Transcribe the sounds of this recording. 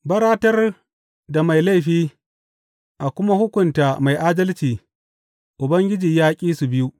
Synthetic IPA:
bɐ˦ɾaː˦tɐ˦r | da˨ma˨jla˦jɸiː˦ | ʔa˨kʷʊ˦ma˦hʊ˦kʷʊ˨nta˨ma˨jʔaː˦dɐ˦lt͡ʃiː˨ | ʔʊ˨bɐ˦ŋɡʲɪ˦d͡ʒiː˨jaː˦kʲʼiː˦su˨bɪ˦ju˦ʔ

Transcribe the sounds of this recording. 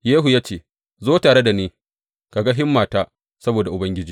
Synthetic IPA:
jeː˦ɦu˨jaː˦t͡ʃeː˦˨ | zoː˦taː˨ɽe˦da˨niː˦ | ka˨ɡa˦ɦɪ˦mːaː˨taː˦ | sɐ˦boː˨da˨ʔʊ˨bɐ˦ŋɡʲɪ˦d͡ʒiː˦

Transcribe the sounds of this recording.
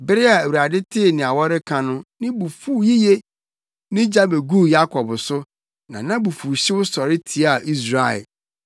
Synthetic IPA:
bɪ˦ɾɪ˦a˨æ˨wu˨ɾa˨dɪ˦tʰɪ˦˨nɪ̃˨a˨wɔ˦ɾɪ˦kʰã˨nʊ̃˦nɪ̃˦bu˨fu˨˦ji˦je˦ | nɪ̃˦d͡ʑa˦be˨ɡu˦ja˦kʰɔ˨bsʊ˦ | nã̰˨nã˦bu˨fu˨ɕi˦wʊ˦sɔ˨ɾɪ˦tʰi˨˦a˦˨ʔi˦s̬ɾa˨ɛ̰˨

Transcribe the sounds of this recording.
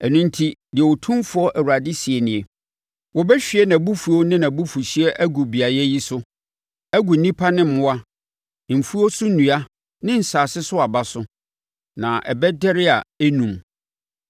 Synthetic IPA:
ɛ˨nũ˦n̩˦tʰi˦dɪ˨ɛ˨wo˨tʰũ˦mfʊ˨˦ɔ˦ʔæ˨wu˨ɾa˨dɪ˦si˨ɛ˨nɪ̃˨ɛ˨ | wɔ˨bɛ˦ɕᶣi˨ɛ˦nã˨bu˦fu˨o˦nɪ̃˦nã˨bu˦fu˨ɕi˦ɛ˦ʔæ˦ɡu˨bi˨a˨jɛ˦ji˦sʊ˦ | æ˦ɡu˨n̩˦nĩ˦pʰa˦nɪ̃˦mʊ̃˦a˦˨ | m̩˨fu˦o˦sʊ˦nũ˨a˦ | nɪ̃˦n̩˨saː˨sɪ˦sʊ˦a˨ba˦sʊ˦ | nã˨ʔɛ̰˨bɛ˦dɛ˦ɾɪ˦a˨ɛ˦nũ˨m

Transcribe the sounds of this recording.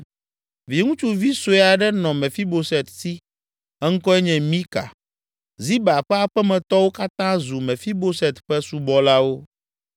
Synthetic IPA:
vi˨ŋũ˦t͡ʃu˨vi˦so˨ɛ˨a˨ɖɛ˦nɔ̃˨mɛ̃˨fi˦bo˨sɛ˨t̪si˦ | ɛ˦ŋ̩˦kɔ˦ɛ˦ɲɛ̃˨mĩ˦ka̰˨ | zi˦ba˨ɸɛ˦a˨ɸɛ˦mɛ̃˨t̪ɔ˦wo˦ka˦t̪ã˦zu˨mɛ̃˨fi˦bo˦sɛ˨t̪ɸɛ˦su˨bɔ˨la˦wo˦

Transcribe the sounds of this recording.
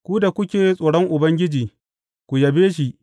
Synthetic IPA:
kʷu˦da˨kʷʊ˦kʲeː˨sʼoː˨ɽɔ˦ŋʔʊ˨bɐ˦ŋɡʲɪ˦d͡ʒiː˨ | kʷu˨jɐ˨beː˦ʃ̬i˦ʔ

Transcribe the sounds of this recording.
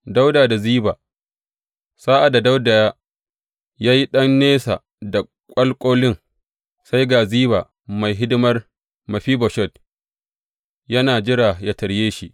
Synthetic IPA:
da˦wdaː˨da˨ziː˦baː˨ | saː˦ʔa˨da˨da˦wda˨jaː˦ | jaː˦ji˦ɗɐ˦nːeː˦sa̰˨ | da˨ | kʷʼɐ˦lkʷʼoː˦lɪ˦ŋ | sa˦jɡa˨ziː˦baː˨ | ma˨jɦɪ˦dɪ˦mɐ˦r | mɐ˨ɸiː˦bɔ˨ʃɔ˦˨d | jɐ˦naː˨d͡ʒɪ˦ɽa˨ja˦tɐ˨ɽjeː˦ʃi˦ʔ

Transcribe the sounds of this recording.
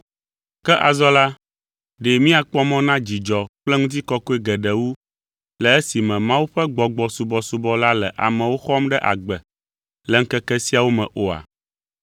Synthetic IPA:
kɛ˦ʔa˨zɔ˦la˦ | ɖe˨mĩ˦a˨k͡pɔ˦mɔ̃˦nã˦d͡ʑi˨d͡ʒɔ˨k͡plɛ˦ŋũ˦t̪̬i˦kɔ˦ko˦e˦ɡɛ˨ɖɛ˨wu˦ | lɛ˨e˦si˨mɛ̃˨mã˦wu˦ɸɛ˦ɡ͡bɔ˨ɡ͡bɔ˨su˨bɔ˨su˨bɔ˦la˦lɛ˨ʔa̰˨mɛ̃˨wo˦xɔ˦mɖɛ˦ʔa̰˨ɡ͡bɛ˨ | lɛ˨ŋ̩˦kɛ˦kɛ˦si˦a˨wo˦mɛ̃˨ʔo˨a̰˨

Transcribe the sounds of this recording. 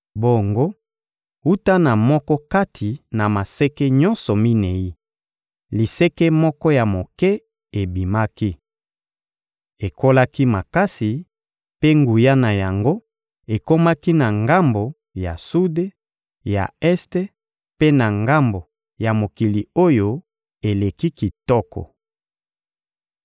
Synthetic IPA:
bo˦˨ŋɡo˦ | u˦ta˦na˨mɔ˦kɔ˦ka˦tʰi˨na˨ma˨se˦kɛ˦ɲɔ˦nsɔ˨mi˦ne˨i˦ | li˨se˦kɛ˦mɔ˦kɔ˦ja˨mo˨kɛ˦ | e˨bi˨ma˦ki˦ | e˨ko˦la˦ki˦ma˨ka˦si˨ | pe˦ŋɡu˨ja˦na˨ja˨ŋɡo˦ | e˨ko˦ma˦ki˦na˨ŋɡa˦mbo˨ | ja̰˨su˦de˦ | ja̰˨ɛ˦ste˦ | pe˦na˨ŋɡa˦mbo˨ | ja˨mo˨ki˨li˨o˦jo˦ | e˨le˨ki˦ki˨tɔ˦kɔ̰˨

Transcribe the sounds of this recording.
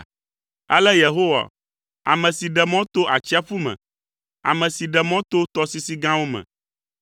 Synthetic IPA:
ɛ̰˦lɛ˦je˨ɦo˦wa̰˨ | a̰˨mɛ̃˨si˨ɖɛ˨mɔ̃˦t̪o˦ʔa˨t͡ɕi˦a˦fu˦mɛ̰̃˨ | a̰˨mɛ̃˨si˨ɖɛ˨mɔ̃˦t̪o˦t̪ɔ˦si˦si˦ɡã˦wo˦mɛ̰̃˨

